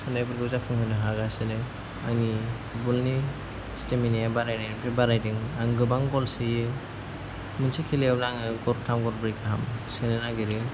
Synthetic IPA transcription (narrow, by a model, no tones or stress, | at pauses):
sɯnajbɯɾɡɯuzapʰɯŋhɯnɯɦaɡasɯnɯ | aŋni | bulni | steminijabaɾajnajnpʰebaɾajdiŋaŋɡɯbaŋɡɔlsi | mɯnsikʰileawnaŋɯɡɔɾ̚tʰamɡɔɾbɾikaɦamsɯnɯnaɡiɾɯ